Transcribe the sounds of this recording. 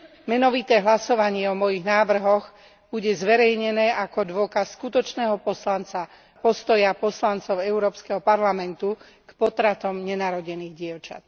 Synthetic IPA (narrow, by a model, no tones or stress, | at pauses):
mɛnɔʋit̪ɛːɦlasɔʋaɲɪɛɔmɔjiɣnaːʋr̩ɦɔɣ | b̥uɟɛzʋɛɾɛjɲɛnɛːʔakɔd̪ʋɔkasːkut̪ɔt͡ʃnɛːɦɔpɔslant͡sa | pɔst̪ɔjapɔslant͡sɔʊɛʊɾɔːpskɛɦɔpaɾlamɛnt̪u | kpɔt̪ɾat̪ɔmɲɛnaːɾɔɟɛniːɣɟɪɛʊt͡ʃa̰t̪̚